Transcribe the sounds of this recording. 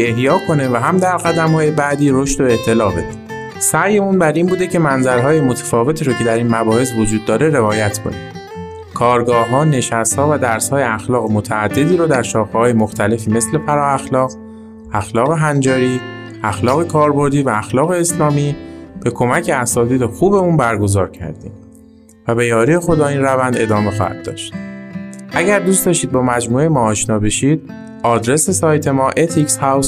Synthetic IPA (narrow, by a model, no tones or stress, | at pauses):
ehjɒːkʰo̞ne̞væɦæmd̪æɾɣæd̪æmhɒːjebæd̪iːɾoʃt̪o̞eʔt̪ʰːe̞lɒːbe̞d̪e | sæjeunbæɾiːnbuːd̪e̞cʰe̞mænzæɾɦɒːjemot̪ʰæ̥fɒːve̞t̪ʰiːɾocʰe̞d̪æɾiːnmæbɒːhe̞s̬vod͡ʒuːd̪ːɒːɾe̞ɾe̞vɒːjæt̪ʰkʰo̰ni | kʰɒːɾɡɒːɦɒːne̞ʃæst̪hɒːvæd̪æɾshɒːje̞æxlɒːɣemot̪ʰææd̪ːe̞d̪iːɾod̪æɾʃɒːxehɒːjemoxt̪ʰæle̞fiːme̞sle̞pʰæɾɒːæxlɒːɣ | æxlɒːɣe̞ɦænd͡ʒɒːɾiː | æxlɒːɣe̞kʰɒːɾbo̞ɾd̪iːvæːxlɒːɣe̞ːslɒːmiːb̥e̞kʰo̞mæcʰe̞æsɒːt̪ʰiːd̪exuːbe̞uːnbæɾɡo̞zɒːɾcʰæ̰ɾd̪ḭːm | væbe̞jɒːɾiːje̞xo̞d̪ɒːiːnrævænd̪e̞d̪ɒːme̞xɒ̰ːhæ̰d̪̥̚ːɒ̰ːʃt̪ | ʔæɟæɾd̪ustd̪ɒːʃiːd̪̚bɒːmæd͡ʒmuːejmɒːʃnɒːbe̞ʃiːd̪̥̚ | ɒːd̪ɾe̞se̞sɒːjt̪ʰe̞mɒːʔet̪ʰikshæws